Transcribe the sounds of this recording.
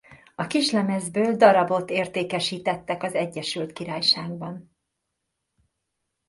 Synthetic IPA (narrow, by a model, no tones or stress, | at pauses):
ɒkiʃlɛmɛzbøːld̪ɒɾɒbo̞t̪eːrt̪eːkɛʃiːt̪ɛt̪ːɛkɒzɛɟːɛʃylt̪kiɾaːjʃaːɡbɒn